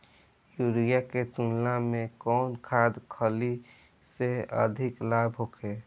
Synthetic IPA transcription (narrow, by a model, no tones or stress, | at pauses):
juɾijaket̪unlamẽkɔːnkʰad̪kʰəli | seə̰d̪ʱɪklabɦokʰeː